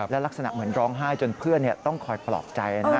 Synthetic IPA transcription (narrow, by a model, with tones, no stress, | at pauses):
lɛː˦˥wla˦˥k̚sa˧na̰˨˩mɯ˩˦ənɾɔː˦˥ŋɦaː˥˩jt͡ɕo˧npʰɯ˥˩ənːi˥˩ət̪ɔ˥˩ŋkʰɔː˨˩jplɔ̰ː˨˩p̪̚t͡ɕa˧jʔa˧na˥˩